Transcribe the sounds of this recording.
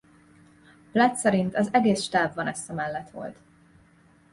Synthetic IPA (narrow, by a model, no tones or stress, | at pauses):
plɛt̪sɛɾint̪ɒzɛɡeːsʃt̪aːvːɒnɛst̪ɒmɛlːɛt̪ʋo̞̰lt̪